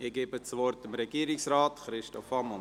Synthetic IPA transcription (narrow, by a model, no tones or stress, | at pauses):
ɪɡeːbət͡sʋɔɾtɪmɾɛɡ̥iːəɾɪksraːtχɾɪʃtɔfɑmɔ